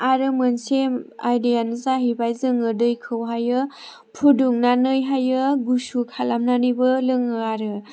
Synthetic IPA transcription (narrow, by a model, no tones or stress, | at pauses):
aɾɯmɯnsema̰jdijanzaɦibajzɯŋɯdɯjkʰɯwɦajɯ | pʰuduŋnanɯjɦajɯɡusukʰalamnanɯbɯlɯŋɯaɾɯ